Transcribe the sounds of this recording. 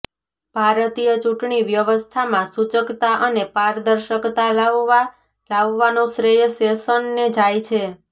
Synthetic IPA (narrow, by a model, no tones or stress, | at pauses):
b̥ʱaɾət̪ijət͡ʃuʈɳiʋjəʋəst̪ʰamãsut͡ʃəkt̪aʔənepaɾd̪əɾʃəkt̪al | laʋːanõsɾejsesənːed͡ʒajt͡ʃʰe